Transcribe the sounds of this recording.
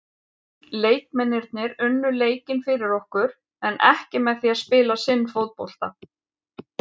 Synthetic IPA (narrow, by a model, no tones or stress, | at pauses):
leːjk̚mɛnːɪɾt̪̚nɪɾʏnːʏleːjcɪnfɪɾɪɾɔhkʏɾ̥ | ɛnʔɛ̰hcɪmɛðθiaðspɪːlasɪnːfowt̪̚po̰wl̥t̪a